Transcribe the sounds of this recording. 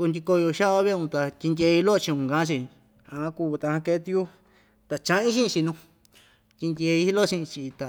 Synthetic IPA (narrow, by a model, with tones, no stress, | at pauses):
u˧nd̪ʲi˧ko˧jo˧ʃa˦ʔβa˦βe˦˧ũ˧t̪a˧t̪ʲi˧nd̪ʲe˧i˧lo˦˧t͡ʃi˧ũ˧˨ɡã˧˦t͡ʃi˧ | ã˧ã˧ku˧t̪a˧hã˧ke˧˦t̪i˧u˦ | t̪a˨t͡ʃã˧˦ĩ˦ʃĩ˦˧i˧nũ˧ | t̪ʲi˧ndʲe˧i˧˦i˦lo˦ʃĩ˧ʔĩ˧t͡ʃi˧t̪a˨